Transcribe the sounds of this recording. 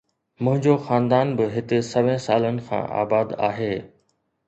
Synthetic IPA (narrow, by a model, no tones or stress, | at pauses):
mʊ̃ɦɪ̃ɲd͡ʑoxaːnd̪aːnbɪɦɪt̪ɪ̆sɐʋẽsaːlənɪ̆kʰã̰ːʔa̰ːbaːd̪a̰ːɦeː